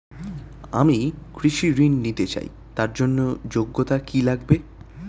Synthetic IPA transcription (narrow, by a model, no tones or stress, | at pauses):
amikɾiʃiɾinːit̪et͡ɕa̰j | t̪aɾd͡ʑonːod͡ʑoɡːot̪akilaɡbe